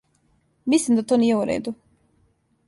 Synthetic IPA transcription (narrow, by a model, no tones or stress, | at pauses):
mislimd̪at̪oːniːjeuɾḛːd̪u